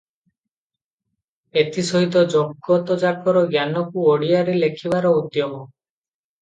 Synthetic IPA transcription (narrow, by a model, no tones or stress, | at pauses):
et̪isɔɦit̪̬ɔd͡ʒɔɡɔt̪ɔd͡ʒakɔɾɔɡjanɔkuoɽiaɾelekʰibaɾɔud̪jɔmɔ